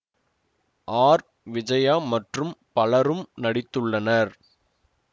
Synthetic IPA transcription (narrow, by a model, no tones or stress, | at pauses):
ʔaːɾ | ʋɪd͡ʒɐjaːmɐʈrɯmpɐlɐɾɯmnɐɽɪt̪ːɯɭːɐnɐɾ